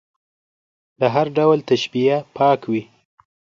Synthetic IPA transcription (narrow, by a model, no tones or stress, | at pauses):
ləɦaɾɖawlt̪aʃbiapʰɑkwi